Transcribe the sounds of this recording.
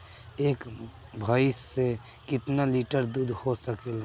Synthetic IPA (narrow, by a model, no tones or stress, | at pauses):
eːkbʱaːɪse | kɪt̪naliʈəɾd̪uːd̪ʱhosəkel